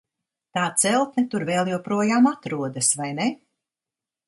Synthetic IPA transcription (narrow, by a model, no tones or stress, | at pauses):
t̪aːt̪sɛlˠt̪nʲɛt̪uɾvɛːlˠjɛwpɾuɔjaːmat̪ɾuɔd̪asvajne